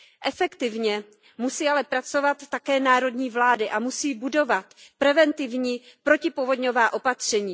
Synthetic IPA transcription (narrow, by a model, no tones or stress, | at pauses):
ʔɛfɛkt̪ɪvɲɛ | musiːalɛpɾat͡so̞vat̪ːakɛːnaːɾo̞dɲiːvlaːdɪʔamusiːbudo̞vat̪pɾɛvɛnt̪ɪvɲiːpɾo̞cɪpovo̞dɲo̞vaːʔo̞pat̪r̝̥ɛɲiː